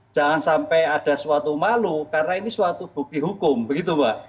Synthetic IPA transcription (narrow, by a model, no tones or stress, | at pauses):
ʒ̥a̤ŋansampɛaɖ̥a̤swat̪umalukarnainiswat̪ub̥ṳk̚t̪iɦukʊmbəɡit̪̬ubaʔ